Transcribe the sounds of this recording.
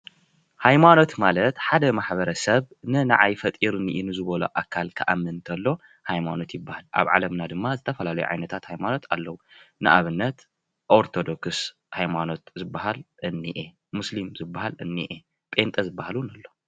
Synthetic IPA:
hajmano̞t̪malɐt̪ħad̪ɐmaħbɐɾɐsɐβ | nɨna̰ʕajfɐt̪ʼiɾniʔinɨzɨβɐlo̰ʔakʰːalkʰɨʔamːɨnt̪ʰɐlːo̞ | hajmano̞t̪jɪbːahalʔa̰βʕa̰lɐmnad̪ɨmːazɨt̪ʰɐfɐlalɐjṵʕa̰jnɐt̪ʰat̪hajmano̞t̪ʰa̰lːɐwunɨʔaβɨnːɐt̪ | ʔoɾt̪ʰo̞d̪o̞ks | hajmano̞t̪zɨbːaɦalʔɨnːiʔe | muslimzɨbːahalɨnːḭʔe | pʼe̞nt̪ʼɐzɨbːahalunɐlːo̞

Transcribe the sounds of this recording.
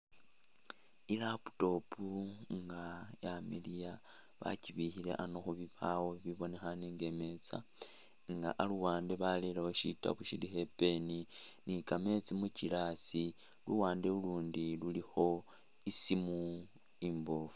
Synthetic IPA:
ilapu̥to̞puŋɡajamḭlija | βa̰ciβixile̞̰ʔanoxuβiβawo̞βiβo̞ne̞xaneŋɡe̞me̞t͡sa̰ | ŋɡa̰ʔaluwaːnde̞βalelewoʃita̰βuʃilixe̞pe̞ninikame̞t͡simucilasi | luwaːndeuluːndilulixo̞ | isimu | iːmboːfu

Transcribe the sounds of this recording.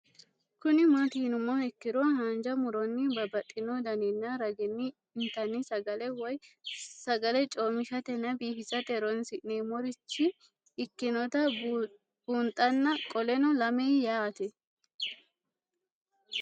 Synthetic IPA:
kʊnɪmɐt̪iːnʊmːoɛkːɪɾɔnhaːnd͡ʒɐmʊɾɔnːɪbɐbɐt̪ʼːɪnɔd̪ɐnɛnːɐɾɐɡɛnːɪː | nt̪ɐnːɪsɐɡɐlɛwɔjsɐɡɐlɛt͡ʃʼoːmɪʃɐt̪ɛnːɐbiːhɪsɐt̪ɛɾɔnsɪʔneːmɔɾɪt͡ʃːɪː | kːɪnɔt̪ɐ | b̥uːnt̪ʼːɐnːɐkʼɔlɛnɔlɐmɛjjaːt̪ɛ

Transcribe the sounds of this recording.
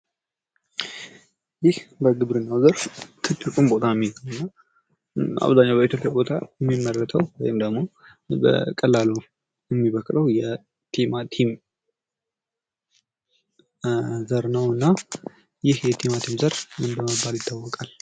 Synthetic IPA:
jɪhbəɡɨβɾɨnːawzəɾft̪ʰɨt̪ʼːɨkʼumbo̞t̪ʰajmːiwɨnːa | a̰βzaɲːawbəit̪jo̞pʼjabo̞t̪ʰa̰jɛmːimːərːət̪ʰəwwɔ̰jɪmd̪əɡmo̞ | bə̰kʼəlːalo | jɛmːiβəkʼɾəwjɛ | t̪ʰemat̪ʰim | zəɾnəwɨnːa | jɪhjɛt̪ʰemat̪ʰimzəɾmɨnbəməbːaljɪt̪ʰːawːɔkʼal

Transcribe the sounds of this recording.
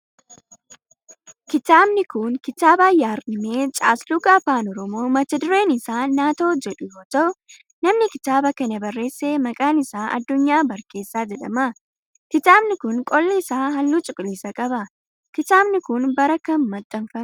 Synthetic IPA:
kɪt̪aːbnɪkʊŋkɪt̪aːbaːjaːɾɗɪmeːt͡ʃʼaːslʊɡaːfaːnɔɾɔmo̞ːmɐt̪ːɐd̪ʊɾe̞ːnɪsaːaːt̪o̞ːd͡ʒɛᶑʊjo̞ːt̪ɐʔʊ | nɐmnɪkɪt̪aːbɐkɐnɐbɐrːe̞ːsːeːmɐkʼaːnɪsaːʔɐ̰d̪ːʊɲːaːbɐɾke̞ːsːaːd͡ʒɛᶑɐ̰mɐ | kɪt̪aːbnɪkʊŋkʼɔlːɪsaːɦɐlːuːt͡ʃʼʊkʼɪliːsɐkʼɐbɐ | kɪt̪aːbnɪkʊnbɐɾɐkːɐmɐt̪ʼːɐnfɐm

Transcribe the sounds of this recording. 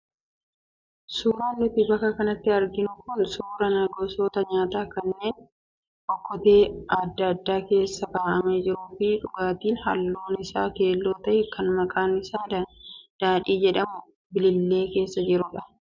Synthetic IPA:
suːɾaːnːɪt̪ɪbɐkːɐkɐnɐt̪ːɪɐɾɡɪnʊkʊnsuːɾɐnaɡoːso̞ːt̪ɐɲaːt̪aːkɐnːe̞ːn | ʔɔkːɔt̪e̞ːɐd̪ːɐd̪ːaːke̞ːsːɐkaːʔɐmeːd͡ʒɪɾuːfɪᶑʊɡaːt̪iːnhɐ̰lːoːnɪsa̰ːke̞ːlːo̞ːt̪ɐʔɛkɐnmɐkʼaːnɪsaːd̪ɐd̪̥aːᶑiːd͡ʒɛᶑɐmʊ | bɪlɪlːe̞ːke̞ːsːɐd͡ʒɪɾʊᶑɐ

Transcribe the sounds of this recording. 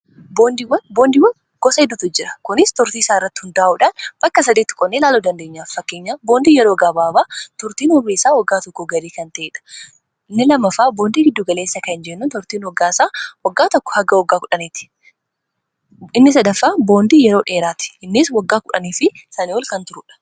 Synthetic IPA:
bo̞ːnd̪iːwɐnboːnd̪iːwɐn | ɡ̥ɔsɐhɪd̪ʊt̪ʊd͡ʒɪɾɐ̥kʊnɪst̪ʊɾt̪iːɪsaːɪrːɐt̪ːɪ̥hʊnd̪aːʔuːᶑaːnb̥ɐkːɐsɐd̪iːt̪ːɪ̥kʼɔnːelaːluːd̪ɐnd̪e̞ːɲːaːffɐkːeːɲːaːboːnd̪iːjɛɾoːɡaːbaːbaːt̪ʊɾt̪iːnhɔreːsaːwɐɡːaːt̪ɔkːɔɡɐɾiːkɐnt̪ɐʔeːᶑɐ̥ | ɪnːɪlɐmːɐfaːbo̞ːnd̪iːɡɪd̪ːʊɡɐleːsːɐkɐɪnd͡ʒɛnːuːnt̪ʊɾt̪iːnwɐɡːaːɪsaːwɐɡːaːt̪ɔkːɔ̥hɐɡɐwɔɡːaːkʊᶑɐniːt̪ɪ̥ | ɪnːɪsɐd̪ɐfːaːbo̞ːnd̪iːjɛɾoːᶑe̞ːɾaːt̪ɪ̥ɪnːɪswɐɡːaːkʊᶑɐniːfɪsaːnɪɔlkɐnt̪ʊɾʊᶑɐ̥

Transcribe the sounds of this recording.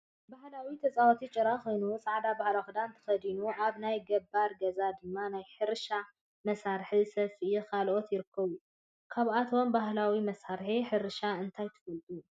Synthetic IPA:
bahlawit̪ʰɐt͡sʼawot̪ʰit͡ʃʼɨɾaxo̞jnusʼaʕd̪abahlaxɨd̪ant̪ʰɨ̥xɐd̪inuʔaβnajɡɐbːaɾɡɐzad̪ɨmːanajħɨɾʃa | mɐsaɾħisɐfiikʰalʔo̞t̪jɪɾɨkʰːɐβu | kʰaβʔat̪ʰombaɦlawimɐsaɾħiħɨɾʃaɨnt̪ʰajt̪ʰɨ̥fɨlt̪ʼu

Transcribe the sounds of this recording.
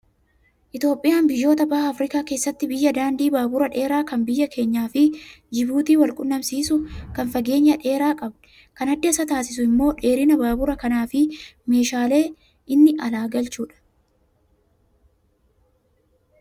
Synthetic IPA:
ʔɪt̪jo̞ːpʼːɪjaːnbɪjːo̞ːt̪̬ɐbaːhɐːfɾɪkaːke̞ːsːɐt̪ːɪbɪjːɐd̪aːnd̪iːbaːbʊɾɐᶑe̞ːɾaːkɐmbɪjːɐkʰe̞ːɲːaːfɪd͡ʒɪbuːt̪iːwɐlkʼʊnːɐmsiːsʊkɐnfɐɡe̞ːɲːɐᶑe̞ːɾaːkʼɐbᶑɛ̥ | kɐnɐd̪ːɪɐsɐt̪aːsɪs̬ʊɪmːo̞ːᶑe̞ːɾɪnɐbaːbʊɾɐkɐnaːfɪme̞ːʃaːle̞ː | ʔɪnːɪɐlaːɡɐlt͡ʃuːᶑɐ̥

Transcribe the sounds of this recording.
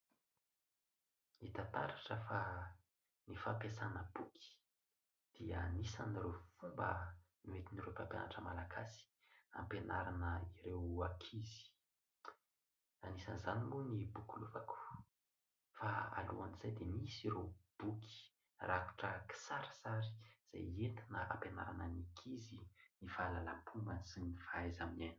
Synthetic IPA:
nit̪at̪aɾaʈ͡ʂəfa | nifapjasanəb̥ukʰi̥ | d̪̥iəanisa̰nirewfumbə | niwet̪iniɾopampja̰naʈ͡ʂəmalaɡasi̥ | a̰mpenaɾanəiɾewakʰizi̥ | anisanzanimunibukʲuluvaku̥ | faa̰luanizajd̪emisiɾeb̥ukʰi̥ | raku̥ʈ͡ʂəki̥saɾəsaɾi̥z̥a̰jent̪inəa̰mpenaɾanənikʰizinifalalampʰumbənsinifaazaminani̥

